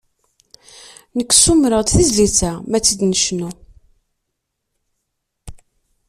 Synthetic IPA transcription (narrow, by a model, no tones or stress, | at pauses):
nəkʷːsumɾəʁt̪θizlit͡sːæmæt͡sːəd̪nəʃnu